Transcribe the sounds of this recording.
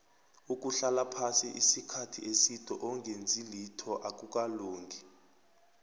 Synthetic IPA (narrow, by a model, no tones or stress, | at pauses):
uk̬ʼuɬalapʰasiʔisikʰatʰḭesitʰʼɔʔɔŋɡʱend͡zʱilitʰɔʔak̬ʼuk̬ʼaluːŋɡʱi